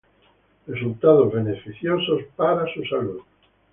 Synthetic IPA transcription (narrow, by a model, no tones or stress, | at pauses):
result̪að̞ozβenefiθjosospaɾasusaluð